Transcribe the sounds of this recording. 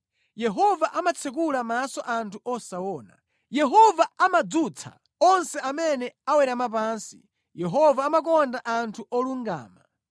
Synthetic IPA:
jɛɦɔvaʔamat͡sʰɛk̬ulamasɔʔantʰuʔɔsawɔːna̰ | jɛɦɔvaamad͡zut͡sʰa̰ | ɔnsɛamɛnɛawɛɾamap̬ansi | jɛɦɔvaːmak̬ɔndaʔantʰuʔɔluŋɡa̰ːma

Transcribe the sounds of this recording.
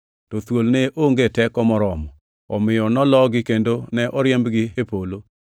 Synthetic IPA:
tɔt̪wolneʔoŋɡetɛkɔmɔɾɔmɔ | ɔmɪjɔnɔlɔɡɪkendonɛʔɔɾjɛmbɡɪepolo

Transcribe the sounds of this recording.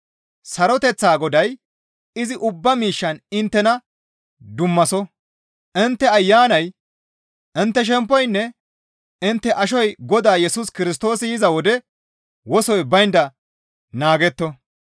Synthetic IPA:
sɐɾɔt̪ɛt͡sːaːɡɔd̪ɐj | ɪzɪʔʊbːɐmiːʃːɐnɪnt̪ːɛnɐ | d̪ʊmːɐsɔ | ʔɪnt̪ːɛɐjːaːnɐj | ʔɪnt̪ːɛʃ̬ɛmpːɔjnːɛ | ɪnt̪ːɛʔɐʃ̬ɔjɡɔd̪aːjɛsuskɪɾɪs̬t̪o̞ːsɪjɪzɐwɔd̪ɛ | wɔsɔjbɐjnd̪ɐ | naːɡɛt̪ːɔ

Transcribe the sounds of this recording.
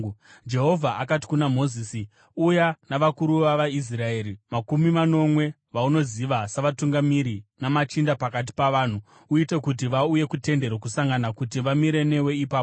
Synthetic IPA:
d͡ʒe̞ɦo̞vʱaʔakati̥kunamo̞ziːsi | ujanaʋakuɾuʋaʋais̬rae̞ːɾimakumimano̞mwe̞ | ʋauno̞ziʋasaʋatuŋɡamiɾinamat͡ʃindapakat̬i̥paʋaːn̤u | uite̞kut̬iʋauje̞kute̞nde̞ɾwokusaŋɡanakutiʋamiɾe̞newe̞ipaːpo

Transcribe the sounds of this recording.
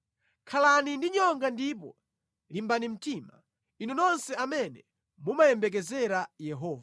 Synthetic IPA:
kʰalanindiɲɔŋɡandipɔ | limbanim̩tiːma | inunɔnsɛamɛnɛ | mumajɛmbɛk̬ɛzɛɾajɛɦɔːva

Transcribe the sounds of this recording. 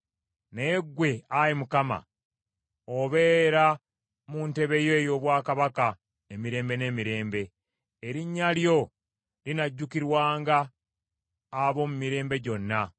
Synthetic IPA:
ne̞ːɡːwe̞ajimukama̰ | oβe̞ːɾa | munte̞βe̞jo̞ːjo̞βwaːkaβaka | emiɾe̞ːmbe̞ne̞ːmiɾe̞ːmbe̞ː | ɾiɲːaljo̞ | linaɟːukiɾwaːŋɡa | βo̞mumiɾe̞ːmbe̞ɟo̞nːa

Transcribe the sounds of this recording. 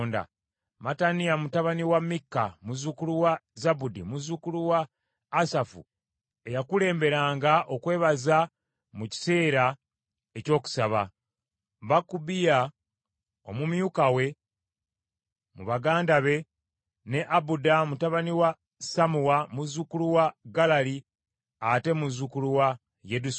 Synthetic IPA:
nda̰ | matanijamutaβaniwamːikːa̰muzukuluwazabudimuzukuluwaː | safṵ | e̞jakule̞ːmbe̞ɾaːŋɡaʔo̞kwe̞ːβaza | muci̥se̞ːɾa | eco̞ːku̥saβa̰ | βakːubija | o̞̰mumjukawe̞ | muβaɡaːndaβe̞ | ne̞ʔabudamutaβaniwa | samuwamuzukuluwaɡalali | ate̞muzukuluwa | jedus

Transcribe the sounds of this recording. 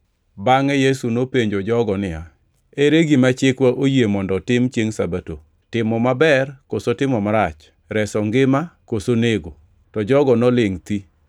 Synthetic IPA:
baŋɛjesunopeɲd͡ʒod͡ʒɔɡɔnɪja | eɾeɡimat͡ʃɪkwaʔojemɔndɔtɪmt͡ʃjeŋsabato̰ | tɪmɔmabɛrkosotɪmɔmaɾat͡ʃ | ɾɛsɔŋɡɪmakosoneɡo | tɔd͡ʒɔɡɔnɔlɪŋt̪i

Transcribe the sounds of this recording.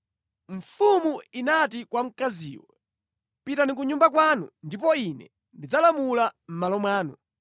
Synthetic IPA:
ɱ̩fumuinatikwam̩kazḭːwɔ̰ | pitanik̬uɲumbak̬waːnundipɔinɛ̰ | ndid͡zalamulam̩malɔmwaːnu

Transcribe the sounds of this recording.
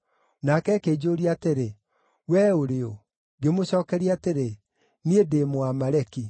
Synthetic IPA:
nakɛːkeːd͡ʑoɾiaːteɾe | wɛːoɾeo | ɡemoɕɔːkɛɾiateɾe | niedeːmoamaɾɛki

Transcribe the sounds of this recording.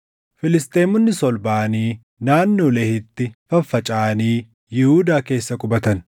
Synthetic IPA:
fɪlɪst̪e̞ːmʊnːɪsɔlbaːɐniː | naːnːoːlɛhɪt̪ːɪfɐfːɐt͡ʃʼaːɐniː | jɪhuːd̪aːke̞ːsːɐkʼʊbɐt̪ɐn

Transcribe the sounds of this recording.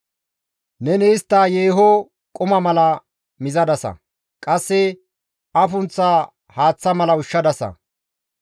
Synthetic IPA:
nɛnɛɪst̪ːaːjeːɦɔ | kʼʊmɐmɐlɐ | mɪzɐd̪ɐsɐ̰ | kʼɐsːɛ | ɐfʊnt͡sːaː | haːt͡sːɐmɐlɐʊʃːɐd̪ɐsɐ̰

